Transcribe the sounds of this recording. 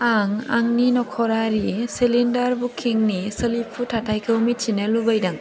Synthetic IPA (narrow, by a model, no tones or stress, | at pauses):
aŋa̰ŋninɔkʰɔɾaɾisilindɐɾbukʰːiŋnisɐlipʰːutʰatʰajkʰɯwmit͡ʃʰinɐlubajdaŋ